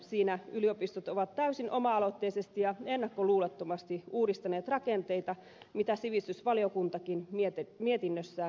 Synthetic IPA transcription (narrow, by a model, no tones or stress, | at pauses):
siːnæyliopist̪ot̪oʋɑt̪tæysinʔomɑɑlot̪ːeisest̪ijɑenːɑkːoluːlɑt̪ːomɑst̪iuːdist̪ɑneːt̪rɑkent̪eit̪ɑ | mit̪æsiʋist̪ysʋɑliokunt̪ɑkinmit̪miet̪inːøsːæː